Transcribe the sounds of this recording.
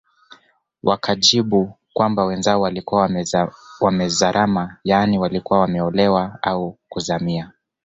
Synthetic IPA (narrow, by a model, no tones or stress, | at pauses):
wʔakʰaʄiɓu | kwambawɛnzaɔwalikuwa | wamɛzaɾʔamajaniwalikuwawamɛɔlɛwaaukuzamia